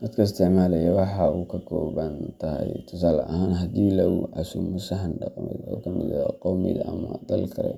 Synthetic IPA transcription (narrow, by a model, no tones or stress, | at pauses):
d̪ɐd̪kʰɐɪst̪ʰɛmaːlɐjɐwɑħɑukʰɐkʰɔ̰ːβɐnt̪ʰɐhɛjt̪ʰʊsaːlɐ̰ʔɐ̰ɦaːnɦɐd̪iːlɐuʔɐsʊmʊsɐɦɐnɖɑqmɛ̰jɔ̰ːkʰɐmɪ̰ðɐqɔwmɪ̰ɣɐʔɐmɐd̪ɐlkʰɐɾɛ̰